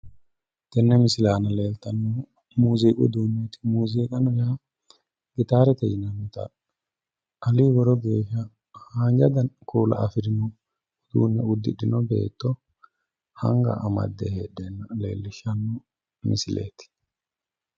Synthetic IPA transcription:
t̪ɛnːɛmɪsɪlaːnɐle̞ːlt̪ɐnːɔ | muːziːkʼʊ̰d̪uːnːɛt̪ɪ̥muːziːkʼɐnɐja | ɡɪt̪aːɾɛt̪ɛjɪnɐnːɔt̪ɐ̰ | ʔɐliːwɔɾɔɡe̞ːʃːɐ | haːnd͡ʒɐd̪ɐnkʰuːlɐ̰ʔɐfɪɾɪnɔ | d̪̥ṵːnːɛʊd̪ːɪɗɪnɔbe̞̰ːt̪ːɔ | hɐ̰ŋɡɐ̰ʔɐmɐ̰d̪ːɛheːɗɛnɐle̞̰ːlːɪʃːɐnːɔ | mɪ̰sɪlḛːt̪ɪ̥

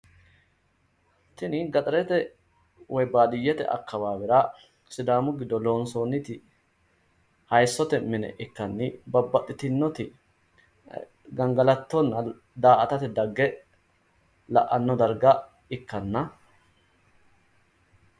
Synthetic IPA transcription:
t̪ɪnɪɡɐt̪ʼɐɾɛt̪ɛ | wɔjbaːd̪ɪjːɛt̪ɛ̰ʔɐ̰kːɐwaːbɪɾaː | sɪd̪aːmʊɡɪd̪ɔlo̞ːnsoːnːɪt̪ɪ | hɐjsːɔt̪ɛmɪnɛ̰ʔɪkːɐnːɪbɐbːɐt̪ʼːɪt̪ɪnːɔt̪ɪ | ɡɐŋɡɐlɐt̪ːɔnːɐ | d̪aːʔɐt̪ɐt̪ɪd̪ɐɡːɛ | lɐ̰ʔɐnːɔd̪ɐɾɡɐ | ɪkːɐnːɐ

